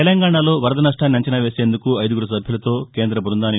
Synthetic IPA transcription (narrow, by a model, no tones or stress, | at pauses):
ɛlɐŋɡaːɳaːlo̞ːʋɐɾɐd̪ɐnaʂʈaːnːiɐɲt͡ʃɐnaːʋe̞ːse̞ːnd̪ukuɐjd̪uɡuɽɐs̬ɐbʱjilɐt̪o̞ːke̞ːnd̪ɾɐbuɾund̪aːni